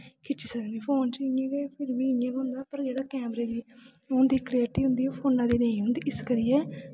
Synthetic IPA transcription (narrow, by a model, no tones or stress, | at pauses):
kɪt͡ʃːisəkniːpʰoːnt͡ʃɪẽːɡeːpʰɪɾbiːɪẽːɡʊ̃ːnd̪aːpəɾd͡ʒeːɽaːkɛːmɾeːd̪iː | ɦõːnd̪iːkleːʈiːɦʊ̃nd̪iːõːpʰoːnãːd̪iːneːĩːɦʊ̃ːnd̪iːɪskəɾɪjɛː